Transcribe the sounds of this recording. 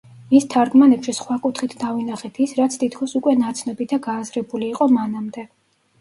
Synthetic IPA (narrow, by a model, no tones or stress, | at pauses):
mist̪ʰaɾɡmanɛpʃisχwakʼut̪ʰχit̪ʰd̪avinaχɛt̪ʰisɾat̪sʰt̪ʰit̪ʰkʰɔsukʼwɛnat̪sʰnɔbid̪aɡaːzɾɛbuliːqʼɔmanamd̪ɛ